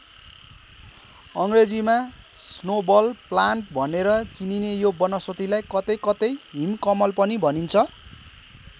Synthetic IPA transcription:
ʌŋred͡zimasnobʌlplanʈbʱʌneɾʌt͡sininejobʌnʌswʌt̪ilajkʌt̪ʌjkʌt̪ʌjɦimkʌmʌlpʌnibʱʌnint͡sʰʌ

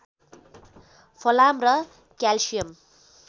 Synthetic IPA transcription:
pʰolamrʌ | kalsijʌm

